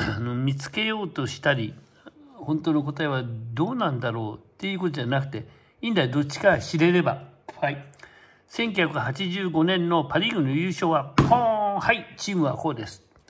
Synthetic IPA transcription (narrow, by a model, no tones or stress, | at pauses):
anomʲit͡sɨ̥ke̞jo̞ːt̪o̞ɕi̥t̪aɾʲi | hõ̞nt̪oːno̞ko̞t̪aeβad̪o̞ːnãnd̪aɾo̞ːt̪ːe̞jiɯ̟ko̞t̪od͡ʑanakɯ̟̥t̪e̞ | ĩːnd̪aid̪o̞t͡ɕːi̥kaɕiɾe̞ɾe̞ba | sẽ̞ŋkʲjɨ̟çʲjakɯ̟hat͡ɕiʑɨːɡo̞nẽ̞nːo̞paɾʲiɡɯ̟nojɯːɕo̞ːβaõhait͡ɕiːmɯ̟βa̰ko̞ːd̪e̞sɨ̥